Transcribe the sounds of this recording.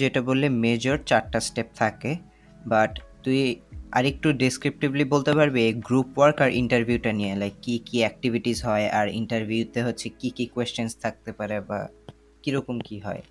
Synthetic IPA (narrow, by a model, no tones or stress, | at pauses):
d͡ʑeʈabolːemed͡ʑoɾt͡ɕaɾʈasʈep̚t̪ʰake | baʈt̪umia̰ɾek̚ʈuɖiskɾip̚ʈiblibolt̪epaɾbeɡɾupwaɾkaɾʔḭɳʈaɾbʱiuʈanielajkːikiɛk̚ʈibʱiʈizɦɔeʔaɾḭɳʈaɾbʱjut̪eɦotːɕʰekikikwest͡ɕonst̪ʰak̚t̪epaɾeba̰ | kiɾɔkomkiɦɔ̰e